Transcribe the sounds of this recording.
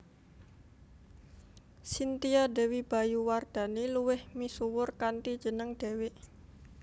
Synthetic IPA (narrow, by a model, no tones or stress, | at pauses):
sint̪iadɛ̤wib̥a̤juward̪̥a̤niluwɪhmisuwʊrkant̪id̥ʒ̥ənəŋd̪̥e̤wɪʔ